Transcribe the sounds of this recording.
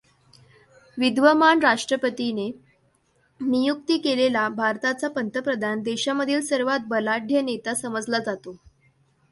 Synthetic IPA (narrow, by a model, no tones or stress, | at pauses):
ʋid̪ʋəmaɳɾaʂʈɾəpət̪ine | nijuk̚t̪iːkelelabʱaɾt̪at͡sapənt̪əpɾəd̪ʱand̪eɕaməd̪ʱiːlsəɾʋat̪̚bəlaɖʱjənet̪asəməd͡zlad͡zat̪o